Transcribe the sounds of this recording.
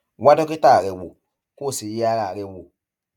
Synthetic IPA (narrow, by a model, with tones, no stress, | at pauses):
wa˦dɔ˦ke˦ta˦˨ɾɛ˨wo̰˨ | ko˦˨si˨ji˦a˧ɾa˨ɾɛ˧wo˨